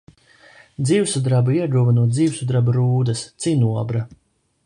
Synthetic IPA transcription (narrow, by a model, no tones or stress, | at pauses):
d̪ziːwsud̪ɾabuiɛd̪uɔvanuɔt̪d̪ziːwsud̪ɾabuɾuːd̪ɐst̪sinuɔbɾa